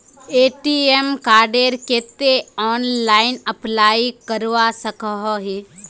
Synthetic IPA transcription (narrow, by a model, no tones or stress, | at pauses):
eːʈiemkaːɾɖeɾkeːt̪eɔːnlaːɪnəplaːikəɾʋasəkəɦoɦi